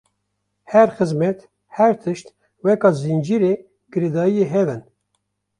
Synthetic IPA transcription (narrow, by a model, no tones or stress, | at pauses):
hɛɾxɨzmɛt̪ | hɛɾt̪ʰɨʃt̪ | wɛkɑːzind͡ʒiɾe | ɡ̥ɨɾed̪ɑːijeɦɛvɨn